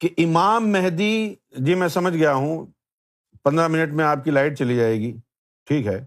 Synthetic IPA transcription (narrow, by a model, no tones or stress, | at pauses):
keʔɪmaːmːɛɦd̪id͡ʒimɛ̃sɐməd͡ʒʱɡɐjaɦũ | pɐ̃nd̪ɾamɪnəʈmẽaːp̚kilaːɪʈ̚t͡ʃɐlid͡ʒaːeːɡiː | ʈʰiːkɦɛː